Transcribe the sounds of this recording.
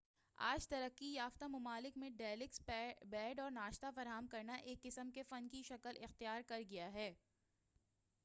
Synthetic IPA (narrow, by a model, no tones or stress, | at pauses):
a̰ːd͡ʒt̪ɐɾəqːijaːft̪amʊmaːlɪkmẽɖɛːlɪksbɛːɖɔːɾnaːʃt̪afɐɾaɦəmkɐɾnaʔeːkːɪsəmkefɐnkiʃɐkəlɪxt̪ijaːɾkɐɾɡɐjaɦɛː